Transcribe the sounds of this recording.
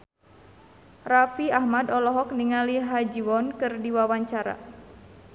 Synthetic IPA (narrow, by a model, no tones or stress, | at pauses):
rafiahmadɔlɔɦɔk̚niŋaliɦad͡ʒiwɔnkɨrdiwawaɲt͡ʃaɾa̰